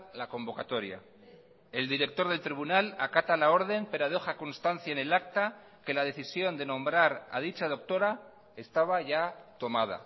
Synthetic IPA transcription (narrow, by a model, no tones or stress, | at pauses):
lako̞mbokat̪o̞ɾja̰ | e̞ld̪iɾe̞k̚t̪o̞ɾð̞elt̪ɾiβunalakat̪alao̞ɾð̞e̞mpe̞ɾoað̞exakonst̪anθjaene̞lak̚t̪a | ke̞laðe̞θisjo̞nd̪e̞nõ̞mbɾaɾa̰ð̞it͡ʃað̞o̞k̚t̪o̞ɾa | e̞st̪aβ̞aʝat̪o̞mað̞a̰